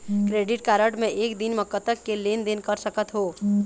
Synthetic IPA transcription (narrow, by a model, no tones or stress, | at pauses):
kɾeːɖɪʈkaːɾəʈmẽʔeːkd̪ɪnməkːət̪əkːeleːnd̪eːnkəɾsəkət̪ɦoː